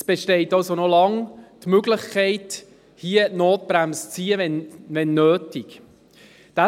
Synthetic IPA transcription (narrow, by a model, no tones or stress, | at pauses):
sb̥eʃtɛɪtɑlsonɔlɑŋtmøɡlɪχkʰɛɪt | hiənoːt̚b̥ɾæmst͡siːəɛnʋɛnːøːtik | d̥a